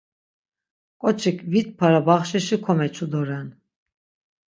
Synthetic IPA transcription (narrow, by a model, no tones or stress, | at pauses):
kʼɔt͡ʃʰikʰvit̪̚pʰaɾabaχʃiʃikʰɔmɛt͡ʃʰud̪ɔɾɛn